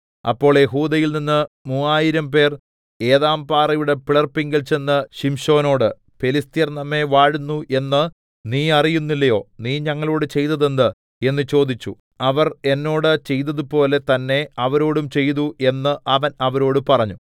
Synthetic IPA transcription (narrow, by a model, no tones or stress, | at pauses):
ɐ̰pːo̞ːɭjeɦuːd̪ɐjilninːɨmuːaːjiɾɐmpe̞ːr | e̞ːðaːmpaːrɐjuɽe̞piɭɐrpiŋɡɐlt͡ɕe̞nːɨɕimɕo̞ːno̞ːɽɨ | pe̞list̪ijɐrnɐmːe̞ʋaːɻunːuʔe̞nːɨ | niːɐrijunːilːɐjo̞ːniːɲɐŋːɐɭo̞ːɽɨt͡ɕe̞jt̪ɐðend̪ɨ | e̞nːɨt͡ɕo̞ːd̪it͡ɕːu | ɐʋɐre̞nːo̞ːɽɨt͡ɕe̞jt̪ːɐðupo̞ːle̞t̪ɐnːe̞ɐʋɐɾo̞ːɽumt͡ɕe̞jt̪uʔe̞nːɨʔɐʋɐnɐʋɐɾo̞ːɽɨpɐrɐɲːu